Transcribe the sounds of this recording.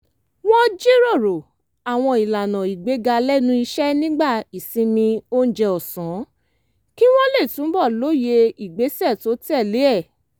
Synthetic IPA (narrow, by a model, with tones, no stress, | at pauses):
wɔ̃˦d͡ʒi˦ɾo˦˨ɾo˨ | a˨w̃ɔ̃˧i˨la˨nã˨i˨ɡ͡be˨˦ɡa˧lɛ˦nũ˦i˧ʃɛ˦nĩ˦ɡ͡ba˦˨i˨sĩ˧mĩ˧o˦n̩˦d͡ʒɛ˧ɔ˨sɔ̃˨˦ | ki˦w̃ɔ̃˦le˦˨tũ˨˦bɔ˦˨lo˦je˧i˨ɡ͡be˨˦sɛ˦˨to˨˦ti˦ɛ˦˨le˨˦ɛ˦˨